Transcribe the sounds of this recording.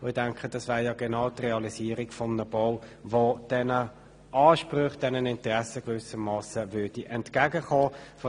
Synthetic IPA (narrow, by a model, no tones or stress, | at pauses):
ʊɪdɛŋkχəd̥ɑsvæːɾjɑɡɛnɑʊtrɛɑlisiːəɾikfɔmnəbɔwvod̥ɛnə | ʔɑːʃprʏχd̥ɛnənɪntrɛsəɡvʏsəmmːɑːsəvʏɐd̥iʔɛntkæɡəχoːfɔ